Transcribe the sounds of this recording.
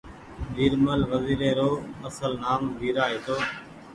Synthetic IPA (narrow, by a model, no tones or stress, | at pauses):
ɗiːɾməlʋəziːɾeːɾoːəsəlnaːmʋiːɾaːɦeːt̪oː